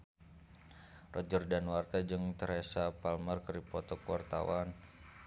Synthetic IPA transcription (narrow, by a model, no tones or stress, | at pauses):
rɔd͡ʒərdanwart̪ad͡ʒɨŋt̪əɾɛsapalmərkəɾipɔt̪ɔkəwart̪a̰wan